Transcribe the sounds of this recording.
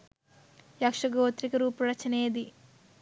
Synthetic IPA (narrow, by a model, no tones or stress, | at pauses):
jɐkʂɐɡoːt̪ɾikɐɾuːpɐɾɐt͡ʃɐneːd̪i